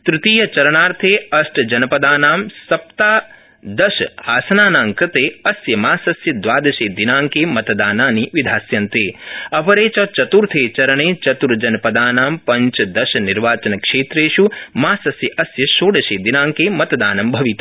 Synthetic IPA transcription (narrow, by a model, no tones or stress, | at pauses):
t̪ɾɪt̪iːjɐt͡ʃɐɾɐɳaːɾt̪ʰeːɐsʈɐd͡ʒɐnɐpɐd̪aːnaːmsɐp̚t̪aː | d̪ɐʃɐaːsɐnaːnaːŋkɾɪt̪eːɐsjɐmaːsɐsjɐd̪ʋaːd̪ɐʃeːd̪inaːŋkeːmɐt̪ɐd̪aːnaːniʋid̪ʱaːsjɐnt̪eːɐpɐɾeːt͡ʃɐt͡ʃɐt̪uɾt̪ʰeːt͡ʃɐɾɐɳeːt͡ʃɐt̪uɾd͡ʒɐnɐpɐd̪aːnaːmpɐɲt͡ʃɐd̪ɐʃɐniɾʋaːt͡ʃɐnɐkʂeːt̪ɾeːʃumaːsɐsjɐʔɐsjɐʃoːɖɐʃeːd̪inaːŋkeːmɐt̪ɐd̪aːnɐmbʱɐʋit̪ɐ